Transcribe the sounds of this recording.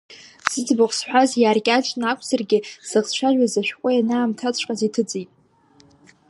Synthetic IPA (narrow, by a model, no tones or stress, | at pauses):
z̥ɨd͡zbɨχʷsħʷᶣazjaːrkʲʼat͡ʃʼnakʷʰʼzarɡʲɪz̥ɨʁʃʷʰaʒʷᶣazaʃᶣkʷʼʊjanaːmtʰat͡ɕʷʰʼqʼazitʰɨd͡zitʼ